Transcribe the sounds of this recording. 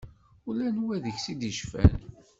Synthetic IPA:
ulænwæðəçsid̪iʃfæ̰n

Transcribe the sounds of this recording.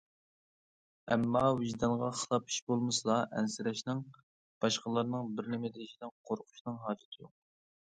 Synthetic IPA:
ɛmːɑwɪʒd̪ɑnʁɑχəlˠɑpʰi̥ʃbolˠmɨsɨlˠɑʔɛ̰nsɪɾɛʃnɨŋ | b̥ɑʃqəlˠɑɾnɨŋbɪɾnɪmɪd̪ɪiʃid̪ɪnqʰoɾqʰʊ̥ʃnɨŋɦɑːd͡ʒɪt̪ʰɨjoq̚

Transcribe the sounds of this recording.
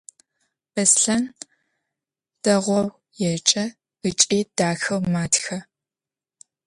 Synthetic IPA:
b̥ɐsɬɐn | d̥ɐʁʷɔw | jɛt͡ʃʼɐ | ɨt͡ʃʼiːd̥aːxɐwmaːtxɐ

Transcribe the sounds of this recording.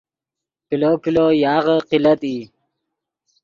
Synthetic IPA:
kiloːkilojɑːɣəqilət̪iː

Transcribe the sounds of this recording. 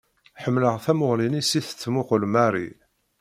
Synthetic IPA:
ħəmːləʁθæmʊʁlinisiθə̥t͡sːmʊqlmæɾˤḭ

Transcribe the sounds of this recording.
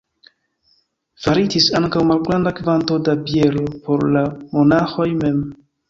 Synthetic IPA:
vaɾitisaŋkawmalɡɾandakvanto̞dabie̞lopo̞ɾlamo̞naxo̞jme̞m

